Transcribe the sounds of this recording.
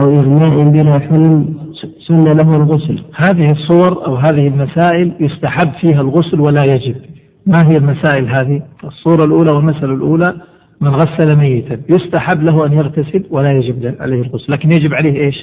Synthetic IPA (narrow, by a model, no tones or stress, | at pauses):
ʔawʔɪɣmaːʔɪmbɪnaħʊlmsʊnːalaɦalɣʊslhaːðɪhɪsˤːuwɑɾˤʔa̰wɦaːðɪhɪlmasaːʔɪljʊst̪aħabːfiːɦalɣʊslwalajad͡ʒɪb | maɦɪjːalmasaːʔɪlɦaːðiʔɪsˤːuːɾˤɑlʔuːlawɪlmasalalʔuːla | mɪnɣasːalamajːɪt̪ajʊst̪aħabːlaɦuʔanjaɣt̪asɪlwalajad͡ʒɪblʕa̰leːhɪlɣʊslːaːkɪnjad͡ʒɪbʕaleːhʔeːʃ